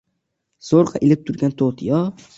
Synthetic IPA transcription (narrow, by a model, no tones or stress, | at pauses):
soɾqʰɑʔɪlɪp̚t̪ʰʊɾɡʲant̪ʰot̪ʰjɒ